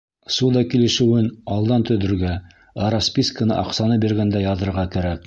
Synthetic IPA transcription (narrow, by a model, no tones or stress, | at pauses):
sud̪ɑkilɘ̆ʃɘ̆wɘnɑlˠd̪ɑnt̪ɵ̆ðɵ̆ɾɡæ | ɑɾɑspʲiskənɤ̰ʔɑqsɑnɤbiɾɡænd̪æjɑðɤ̆ɾʁɑkæɾæk̚